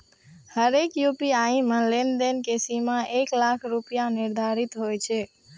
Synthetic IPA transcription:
həɾekjupiaĩməlend̪enkesimaʔeklakʰɾupijãnɪɾd̪ʱaɾit̪ɦojt͡ʃʰe

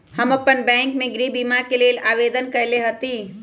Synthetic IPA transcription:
hɐmopːənbɛ̃ːŋkmẽɡɾiːbiːmakelelaːʋeːd̪ənkɐjleɦət̪iː

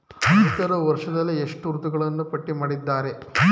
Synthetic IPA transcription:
ɐt̪ɐɾɐʋɐɾʂɐd̪ɐlːieʂʈuɾut̪uɡɐɭɐnːupɐʈːimaːɽid̪ːaːɾe̞

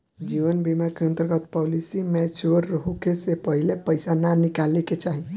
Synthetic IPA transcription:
d͡ʒiʋənbimaɾkeə̃nt̪əɾɡət̪pɔlisimɛt͡ʃuəɾːəɦukesepəɦilepəjsananikaleket͡ʃaɦi

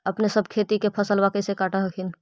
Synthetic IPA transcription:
əpnesəbʱkʰet̪ikepʰəsəlbakəjsekaʈaɦəkʰin

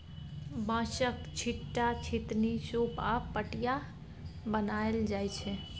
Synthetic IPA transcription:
bãʃəkt͡ʃʰiʈːat͡ʃʰit̪nisopapəʈija | bənaeld͡ʒajt͡ʃʰɛ

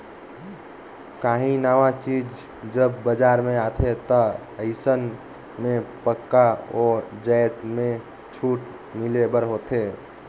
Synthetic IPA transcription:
kaːɦĩnaːʋat͡ʃiːd͡ʒ | d͡ʒəbːəd͡ʒaːɾmẽat̪ʰet̪ɔ | əɪsən | mẽpəkːaod͡ʒəjt̪mẽ | t͡ʃʰuːʈ | mɪlebəɾɦot̪e

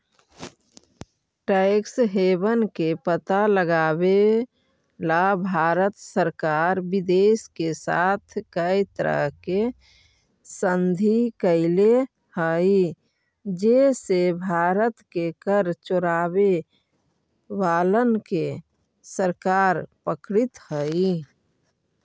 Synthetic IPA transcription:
ʈəɪksɦeːbənkepət̪aləɡaːbe | labʱaːɾət̪səɾkaːɾbid̪eːskesa̰ːt̪ʰkəit̪əɾə̰ɦke | sənd̪ʱikəɪle | həi | d͡ʒesebʱaːɾət̪kekəɾt͡ʃoɾaːbe | ʋaːlənke | səɾkaːɾpəkɾit̪həi

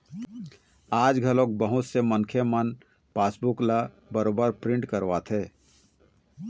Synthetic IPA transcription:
aːd͡ʒɡʱəlok̚bəɦʊt̪semənkʰemən | paːsbukla | bəɾoːbəɾpɾɪ̃ɳʈkəɾʋat̪ʰeː

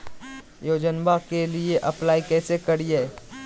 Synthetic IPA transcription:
joːd͡ʒənbakelieʔɐplaːikɛːsekəɾiɛː

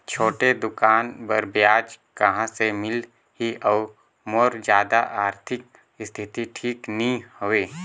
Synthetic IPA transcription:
t͡ʃʰoːʈed̪ʊkaːnbəɾbjaːd͡ʒkəɦãsemɪl | ɦiʔɔː | moːɾd͡ʒjaːd̪aʔaːɾt̪ʰɪk̚ | st̪ʰɪt̪iʈʰiːknĩhoʋeː

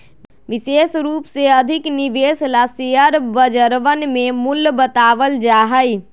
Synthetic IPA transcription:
ʋɪsesɾuːpseəd̪ʱɪkniʋeslasejəɾbəd͡ʒəɾʋənmemulːbət̪aʋəld͡ʒaːɦəj

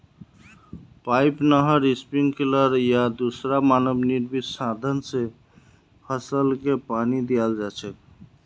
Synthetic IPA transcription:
pajpnəɦəɾispiŋɡkiləɾjad̪usɾamanəbniɾbisad̪ʱənse | pʰəsəlkepanid̪ijald͡ʒat͡ʃʰɛk

